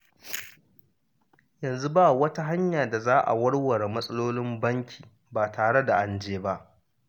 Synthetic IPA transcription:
jɐ˨nzu˦baː˦wɐ˦ta˦ɦa˦ɲjaː˨da˨zaː˦ʔa̰˨wɐ˦ɽwɐ˨ɽe˨mɐ˦sʼɐ˦loː˦lɪ˦mbɐ˦ŋkʲi̥ː˨ | baː˨tʰaː˨ɽe˦da˨ʔa˨nd͡ʒeː˦ba˦ʔ

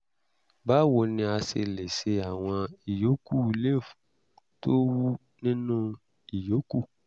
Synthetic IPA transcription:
ba˦wo˨nĩ˧a˧se˧le˨se˧a˨w̃ɔ̃˧i˨jo˨˦ku˦˨˦le˦˨fũ˨ | to˦wu˦ | nĩ˦nũ˦ | i˨jo˨˦ku˦˨

